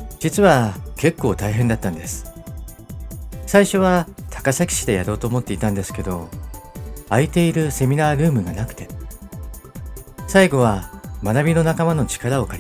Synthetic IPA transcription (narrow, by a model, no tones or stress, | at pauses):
d͡ʑ̥it͡sɨβake̞kːo̞ːt̪aiɦẽ̞nd̪at̪ːãnd̪e̞sɨ̥ | saiɕo̞βat̪ʰḁkasakʲi̥ɕi̥d̪e̞jaɾo̞ːt̪o̞ːmo̞t̪ːe̞it̪ãnd̪e̞sɨ̥ke̞d̪o̞ | ait̪e̞iɾɯ̟se̞mʲinaːɾɯ̟ːmɯ̟ɡanakɯ̟̥t̪e̞ | saiɡo̞β̞amanabʲino̞nakamano̞t͡ɕi̥kaɾao̞kaɾʲ